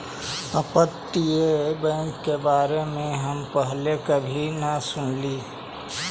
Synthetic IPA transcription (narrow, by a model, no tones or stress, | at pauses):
əpət̪ːiebə̃ŋkːebaːɾemẽɦəmpəɦlekəbʱinəsʊnliː